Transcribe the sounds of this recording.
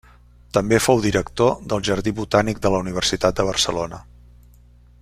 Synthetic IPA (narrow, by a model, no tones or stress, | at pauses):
t̪əmbefowðiɾəkt̪od̪əlˠʒəɾðiβut̪anik̚d̪ələuniβ̞ərsit̪at̪̚d̪əβərsəlonə